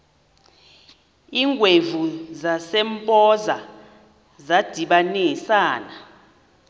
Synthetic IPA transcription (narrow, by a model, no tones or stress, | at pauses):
iːŋɡʱwevuzasɛmpʼɔza | zad̥ʱiɓanisaːna